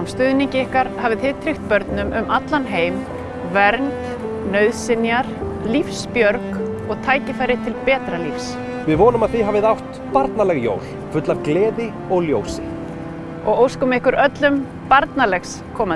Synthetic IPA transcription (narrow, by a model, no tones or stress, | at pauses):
mst̪ʏðniɲcɪɪhkaɾ̥haːvɪθɪðt̪ʰɾixt̪̚pœɾt̪nʏmʏmʔat̪lanɦeːjm | vɛɾnt̪ | nœːɥðsɪnjaɾ̥ | lifspjœɾkɔɣt̪ʰaːjcɪfajɾɪ̥t̪ʰɪlpɛːt̪ɾalifs | vɪðvɔːnʏmaðθiɦavɪðawht̪ | paɾt̪nalɛɣjo̰ːwl̥ | fʏt̪lavklɛːðɪ | ɔɣljoːwsɪ | ɔɣowskɔmɪɪhkʏɾʔœt̪lʏm | paɾt̪nalɛxs | kʰɔːma